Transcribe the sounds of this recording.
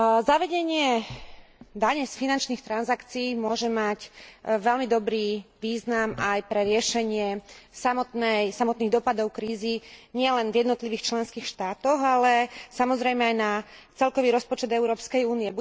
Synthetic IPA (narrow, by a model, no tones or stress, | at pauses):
zaʋɛɟɛɲɪɛ | d̪aɲɛsfinant͡ʃniːxt̪ɾanzakt͡siːmʊɔʒɛmacʋɛlmid̪ɔbɾiːʋiːznamajpɾɛɾɪɛʃɛɲɪɛsamɔt̪nɛjsamɔt̪niːɣd̪ɔpad̪ɔʊkɾiːziɲɪɛlɛnvjɛd̪nɔt̪liʋiːxt͡ʃlɛnskiːxʃt̪aːt̪ɔɣalɛsamɔzɾɛjmɛajnat͡sɛlkɔʋiːɾɔspɔt͡ʃɛd̪ɛʊɾɔːpskɛjuːniɛb